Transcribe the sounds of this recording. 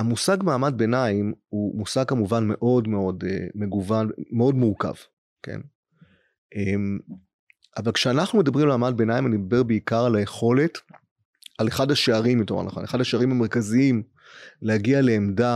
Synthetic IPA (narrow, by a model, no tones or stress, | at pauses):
amusaɡmaːmad̚be̞naimumusaɡ̚kamuvanme̞ʔo̞dme̞o̞deme̞ɡuvanmeo̞dmuʁka̰v | kḛn | ʔem | avalkʃeanaχnume̞dɐbʁimalmaːmad̚be̞najimanidd̪abe̞ʁbeikaʁalaje̞χo̞le̞t | ale̞χadaʃeaʁimjotoma̰ʁla̰χoneχadhaʃeaʁimame̞ʁ̞kaziim | lehaɡiale̞ːmda